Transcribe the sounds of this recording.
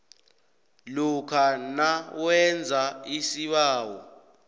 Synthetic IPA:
lukʰanawɛnd͡zʱaisiɓaːwɔ

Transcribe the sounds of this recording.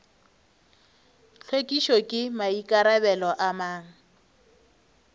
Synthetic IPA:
t͡ɬʰwekʼiʃɔkʼɪmaikʼaɾabɛlɔʔamaːŋ̩

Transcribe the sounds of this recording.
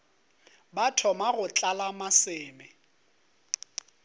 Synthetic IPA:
batʰɔmaɣʊt͡ɬʼalamasɪːmɛ

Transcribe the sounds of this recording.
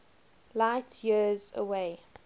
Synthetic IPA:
laɪtʰjəzə̰weɪ

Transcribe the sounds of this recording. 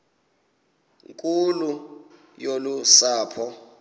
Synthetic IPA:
ŋkʼulu | jolusaːpʰɔ

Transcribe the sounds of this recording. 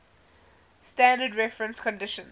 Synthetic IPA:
stæ̃ndədɹɛfɹə̃nskɔ̃ndɪʃə̃n

